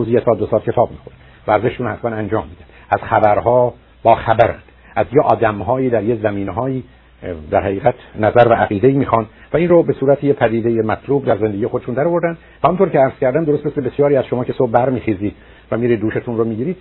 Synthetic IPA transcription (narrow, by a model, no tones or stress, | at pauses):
ozijet̪ʰɒːd̪osɒːlcʰe̞t̪ʰɒːbmixoɾ | væɾzeʃʃunhæsmænænd͡ʒɒːmːiːd̪ænd̪æz̥xæbæɾɦɒː | b̥ɒːxæbæɾæ̰nd̪̥ | ʔæzjeʔɒːd̪æmɦɒːjiːd̪æɾjezæmiːneɦɒːjiː | d̪æɾhæʁiːɣæt̪ʰnæzæɾvæʔːɣiːd̪eiːmiːxɑːnd̪̥væiːnrobe̞suːɾæt̪ʰejepʰæd̪iːd̪ejemæt̪ʰluːbd̪æɾzend̪ɡijexoeʃund̪æɾovo̞ɾd̪ænd̪væhæmunt̪ʰokcʰeæɾz̥cʰæɾd̪æmd̪oost̪meslebesjɒːɾiːæz̥ʃomɒːcʰe̞sob̚bæɾmiːxiːziːd̪̥ | væmiːɾiːd̪dːuːʃet̪ʰunromiːɟiːɾiːd̪